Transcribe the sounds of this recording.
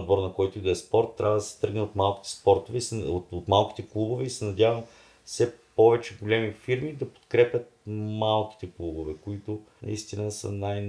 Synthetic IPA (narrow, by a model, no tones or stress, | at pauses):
d̪bɔɾnɐkɔjt̪ʊid̪oɛspɔɾt̪ːɾʲʔavɐd̪ɐsɛ̥t̪ɾɡnɛot̪malˠk̟ʲi̥t̪ɛ̥spɔɾt̪ovɛisɛot̪ot̪malˠkʲi̥t̪ɛklˠubovɛisɛnɐd̪ʲavɐm | fsɛpɔvɛt͡ʃɛɡolʲɛmifiɾmid̪ɐpo̥t̪kɾɛpʲjət̪̚malˠkʲi̥t̪ɛklˠubovɛkoit̪ʊnɐ̰ist̪inəsə̰naj